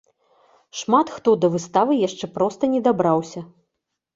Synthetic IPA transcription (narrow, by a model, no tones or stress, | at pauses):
ʂmat̪xt̪ɔd̪ɐvɨst̪avɨjaʂt͡ʂɛpɾɔst̪ɐnʲɛd̪abɾawsʲɐ